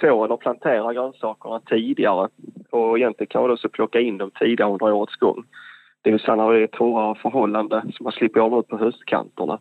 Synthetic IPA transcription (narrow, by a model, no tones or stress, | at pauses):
soːɾənɔplant̪ʰeːɾaɡɾœnsɑːkəɳat̪ʰiːd̪ɪɡaɾəɔɪjɛnlɪɡənŋkʰanad̪ɔsɔpʰlɔkːaɪnd̪ɔmt̪ʰiːd̪ɪɡaɾəɵnd̪ɾaoːɾət̪sɡ̥ɔ̰ŋː | d̪̥ɛjɪlst̪anːaɾvɛɛt̪ʰːoːɾaɾəfœɾɦɔlːand̪əsɔmhaʂlɪpːəɾɑmʉ̟ːt̪pʰɔɦʉst̪kʰa̰nt̪əɳa̰